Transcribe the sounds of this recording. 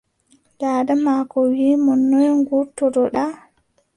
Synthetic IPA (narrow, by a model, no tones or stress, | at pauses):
d͡ʒaːdamakɔwimɔnːɔjŋɡuɾtɔɾɔɗa